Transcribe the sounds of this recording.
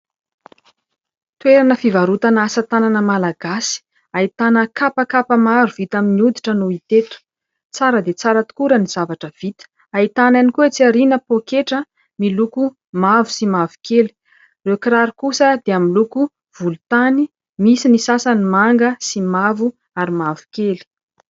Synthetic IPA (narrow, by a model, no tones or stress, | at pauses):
t̪uweɾanəfivaɾut̪anasət̪ananəmalaɡ̥asi̥ | ait̪anəkapəkapəmaɾuvit̪aminiud̪iʈ͡ʂənuit̪et̪u̥ | t͡saɾəd̪et͡saɾət̪u̥kuɾəniz̥avaʈ͡ʂəv̥it̪ə̥ | ait̪ananikuet͡siaɾinəpokeʈ͡ʂə | miluku | mavu̥simavu̥keli̥ | rewkiɾaɾikusəd̪eamiluku | v̥ulut̪ani | misinisasanimaŋɡəsimavu | aɾimavu̥keli̥